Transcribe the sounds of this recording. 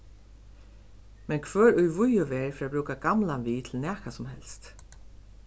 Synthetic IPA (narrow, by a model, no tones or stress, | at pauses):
mɛnkʰvœːɹʊjvʊjʊʋɛɹfɪːɾabɾuːkaɡamlanviːt̪ʰɪlnæːhkasʊmɦɛlst̪